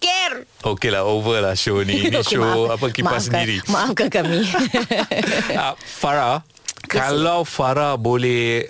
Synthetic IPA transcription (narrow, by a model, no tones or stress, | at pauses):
ker | okelahovəlahʃonĩnʃoapakimpasəndiɾimaafkankami | afaɾa | kalawfaɾabolɛh